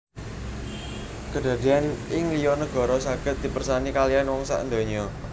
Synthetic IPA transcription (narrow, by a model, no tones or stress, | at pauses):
kəɖ̪̥a̤d̪̥i̤anɪŋlijɔnəɡ̥ɔ̤ɾɔsaɡ̥ə̤t̪̚d̥̪i̤pərsanikalianwɔŋsa̰ʔənd̪o̤ɲiɔ